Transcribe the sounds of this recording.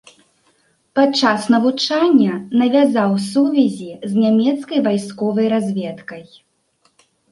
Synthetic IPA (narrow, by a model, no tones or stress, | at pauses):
patt͡ʂːasnɐvut͡ʂanʲːɐnɐvʲazawsuvʲɛzʲiznʲamʲɛt̪skɐjvajskɔvɐjɾazʲvʲɛt̪kɐj